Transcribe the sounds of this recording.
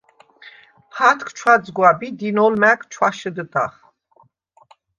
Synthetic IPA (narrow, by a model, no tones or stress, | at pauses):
pʰat̪ʰkʰt͡ʃʰwad̪zɡwabid̪inɔlmækʰt͡ʃʰwaʃəd̪ət̪ʼa̰χ